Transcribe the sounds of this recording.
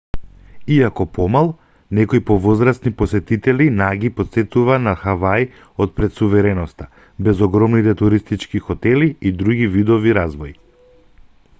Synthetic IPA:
iakɔpɔmalˠ | nɛkɔjpɔvɔzɾast̪nipɔsɛt̪it̪ɛlinaɡipɔt̪sɛt̪uvanaxavaj | ot̪̚pɾɛt̪suvɛɾɛnɔst̪a | bɛzɔɡɾɔmnit̪ɛt̪uɾist̪it͡ʃkixɔt̪ɛliːd̪ɾuɡivid̪ɔviɾazvɔi

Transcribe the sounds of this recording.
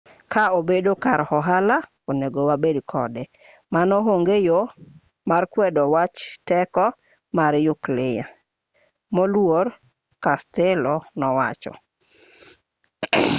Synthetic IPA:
kʰaobedokaɾhɔɦala | oneɡowabedkʰɔdɛ | manɔɦoŋɡejo | markwɛdɔwat͡ʃtɛkɔ | maɾjʊklɪja | molwor | kastɛlɔnɔwa̰t͡ʃɔ̰

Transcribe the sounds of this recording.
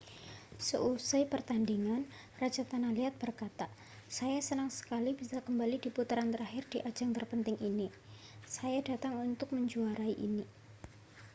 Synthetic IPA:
səʔusaipərt̪andiŋan | rad͡ʒat̪analiat̪̚b̥ərkat̪a | sajasənəŋsə̥kalib̥isakəmbalidiput̪əɾant̪əɾahɪrd̥iʔḁd͡ʒaŋt̪ərpənt̪ɪŋʔini | sajadat̪aŋunt̪ʊk̚məɲd͡ʒuaɾaiʔini

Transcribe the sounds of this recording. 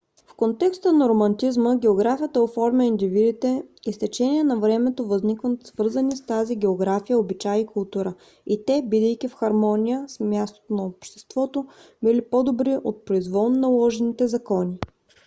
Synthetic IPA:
fkont̪ɛkst̪ənɐɾomɐnt̪izməɡʲɛoɡɾafijət̪əofɔɾmʲəind̪ivid̪it̪ɛist̪ɛt͡ʃɛnʲiɛnɐvɾɛmɛt̪ovɐznikvət̪svɤɾzənist̪aziɡ̟ʲɛoɡɾafijəobit͡ʃajikʊlˠt̪uɾə | it̪ɛbid̪əjk̟ifxɐɾmɔnʲijəsmʲjast̪o̥t̪onɐopʃt̪ɛ̥st̪vɔt̪o | bilipod̪obɾiʔot̪̚pɾoizvɔlˠnnɐlˠɔʒɛnit̪ɛzɐkɔnʲi

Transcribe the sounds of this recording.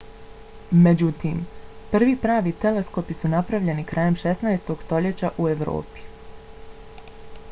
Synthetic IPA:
me̞d͡ʑut̪iːmpr̩ʋipɾaːʋit̪e̞le̞sko̞pisunapɾaʋʎenikɾʔaːje̞mʃe̞snaest̪o̞ɡ̥st̪o̞ʎe̞t͡ɕaʔue̞ʋɾo̰ːpi̥

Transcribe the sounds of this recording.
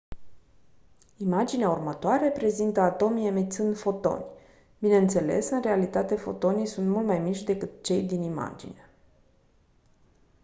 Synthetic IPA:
imad͡ʒineaurmət̪oaɾe̞pɾe̞zint̪əat̪o̞miemet̪sɨnd̪fo̞t̪o̞̰nʲ | bine̞ɨnt̪se̞le̞sɨnrealit̪at̪e̞fo̞̰t̪o̞nijsunt̪mult̪majmit͡ʃʲd̪e̞kɨt̪̚t͡ʃe̞jd̪inima̰d͡ʒḭnea

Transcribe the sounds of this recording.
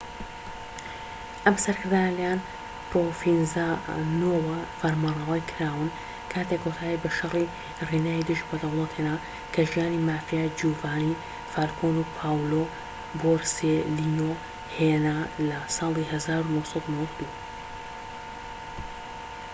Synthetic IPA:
ʔɐmsɐɾkɨɾd̪aːnəlɐjaːn | profinzanowɐfɐɾmanɐwajkʰɨɾaːwɨn | kʰaːt̪ekʰwot̪ʰaːibɐʃɐri | rinaːid̪ɨʒbɐd̪ɐwlˠɑt̪hena | kʰɐʒijaːnimaːfijaːd͡ʒuːvaːni | faːɾkʰoːnupʰaːwlo | boɾselino | henalɐsɑːlˠihɐzaːɾunosˤɑd̪unowɐkd̪u

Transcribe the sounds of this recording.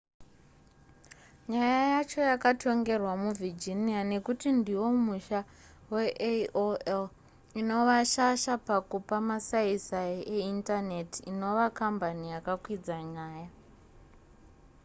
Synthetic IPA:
ɲajajat͡ʃo̞jakatʰo̞ŋɡe̞rwamuvʱid͡ʒiniane̞kutindiwo̞muʃa | we̞ʔoel | ino̞ʋaʃaʃapakupamasaisaieintane̞tiino̞ʋakambanijakakwid͡zaɲaːja

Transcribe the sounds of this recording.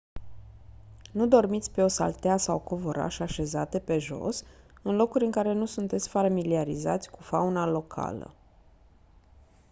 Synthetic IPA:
nud̪o̞rmit̪sʲpe̞o̞sa̰lt̪easawkovo̞ɾa̰ʃaʃe̞zat̪e̞pe̞ʒo̞̰sɨnlo̞kuɾʲɨŋkaɾe̞nusunt̪e̞t̪sʲfamiliaɾḭzat̪sʲkufaunalo̞kʰa̰lə̰

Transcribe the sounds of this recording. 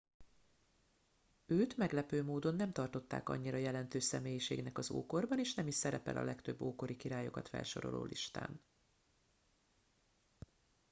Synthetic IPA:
øːt̪mɛɡlɛpøːmoːd̪o̞nːɛmt̪ɒrt̪o̞t̪ːa̰ːkɒ̰ɲːiɾɒjɛlɛnt̪øːʃsɛmeːjiʃḛːɡnɛkɒzo̰ːko̞rbɒneːʃnɛmiʃsɛɾɛpɛ̰lʔɒ̰lɛkt̪øbːoːko̞ɾikiɾaːjo̞̰kɒt̪fɛ̰lʃo̞ɾo̞̰lo̰ːlʔiʃt̪a̰ːn

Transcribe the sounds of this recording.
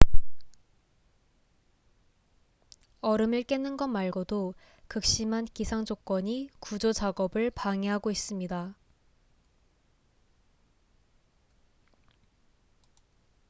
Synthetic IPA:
ʌɾɯmiɭk͈e̞nːɯnɡʌnmaɭɡodo | kɯk̚ɕ͈imɦankisʰaŋd͡ʑok͈ʌɲikud͡ʑot͡ɕaɡʌbɯɭpaŋiɦaɡois͈ɯmɲida

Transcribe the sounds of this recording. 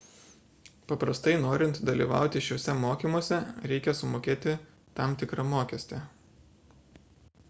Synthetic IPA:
pɐpɾɐst̪ɐɪnoːɾʲɪnt̪d̪ɐlʲḭːʋɑ̰ˑʊt̪ʲɪʃʲoːsʲɛmoːkʲiːmoɔsʲɛɾʲɛɪkʲɛsʊmoːkʲeːt̪ʲɪ | t̪ɐmt̪ʲɪkɾɐmoːkʲɛsʲt̪ʲe

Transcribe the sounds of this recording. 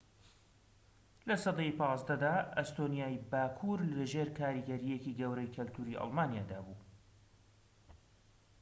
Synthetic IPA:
lɐsɑd̪ejpɑːzd̪ɐd̪aːɐst̪onijaːjbaːkʰuɾllɐʒeːɾkʰaːɾiːɡɐɾijekiːɡɐwɾɐjkʰɐlt̪ʰuːɾiʔɑ̰lmaːnijaːd̪aːbuː

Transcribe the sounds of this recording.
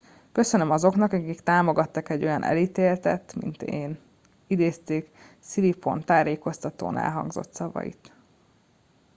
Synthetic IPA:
kø̞sønømɒzo̞knɒkɒkikt̪aːmo̞ɡɒt̪ːɒkɛɟːo̞jɒnʔɛ̰liːt̪eːlt̪ɛt̪ːmḭnt̪eːn | id̪eːst̪eːk | silipo̞̰nt̪aːɾeːko̞st̪ɒt̪o̰ːnɛ̰lɦɒ̰ŋɡzo̞̰t̪sɒvɒ̰jḭt̪

